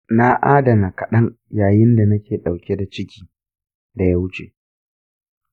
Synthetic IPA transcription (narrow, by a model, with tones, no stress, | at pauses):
na˦ʔaː˦da˨na˨kɐ˨ɗɐ˦ŋ | jaː˨jɪ˦nda˨nɐ˦kʲeː˨ɗa˨wkʲe˦da˨t͡ʃɪ˦kʲi̥ː˦ | da˨ja˦wʊ˦t͡ʃḛ˨